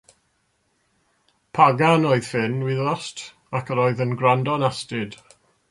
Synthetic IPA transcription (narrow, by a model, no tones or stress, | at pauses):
pʰaɡanoɨð̥fɪnwɪðɔstʰ | akʰəɾoːɨðənɡrandɔnastɪd̥